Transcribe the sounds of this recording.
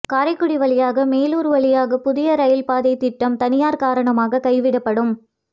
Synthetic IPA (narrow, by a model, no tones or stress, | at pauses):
kaːɾɐɪkːʊɽɪʋɐɭɪjaːɣɐmeːluːɾʋɐɭɪjaːɣɐpʊðɪjɐɾɐjɪlpaːðɐɪt̪ːɪʈːɐmt̪ɐnɪjaːɾkaːɾɐɳɐmaːɣɐkɐɪʋɪɽɐpːɐɽɯm